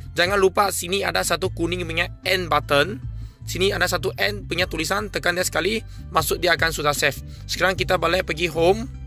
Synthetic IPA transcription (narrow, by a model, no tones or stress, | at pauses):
d͡ʒaŋanlupasiniadasat̪ukunɪŋməɲaɛnbat̪ən | siniadasat̪uʔɛnpuɲat̪ulisant̪əkandiasə̥kali | masʊk̚diakansut̪asɛf | sə̥kaɾaŋkit̪abalɛpəɡiɦom